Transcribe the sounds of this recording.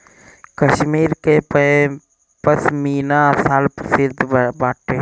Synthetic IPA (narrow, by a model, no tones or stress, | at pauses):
kəʃmiːɾkep | pəsmiːnasaːlpɾəsɪɾd̪ʱbaːʈe